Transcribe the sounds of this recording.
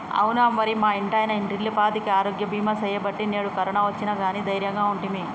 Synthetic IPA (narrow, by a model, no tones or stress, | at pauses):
ɐ̰wunaːmːɐɾimaːiɳʈɐːjɐnɐiɳʈiɾlːipaːt̪ikiaːɾoːɡjɐbʱiːmɐsɐjɐbɐʈːineːɽukɐɾɐɳaːʋɐt͡ʃːinɐɡaːniːd̪ɐjɾjɐŋɡaːuɳʈimi